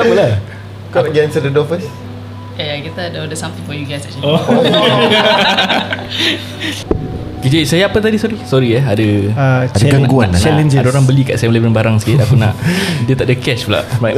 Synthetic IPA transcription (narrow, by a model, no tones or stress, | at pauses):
aməla | kɔɡɛnsədədɔfəs | eakat̪adodəsãmt̪ĩŋfɔjuɡajsɛt͡ʃlo | kid͡ʒasajaapət̪adisɔɾisɔɾiɛadəaadɛɡanɡuant͡ʃɛlɛnd͡ʒadaoɾaŋbəlika̰ʔsɛmlevənbaɾaŋsə̥kɪt̪̚akunaʔdiət̪aʔdəkɛʃbəla̰ʔmaj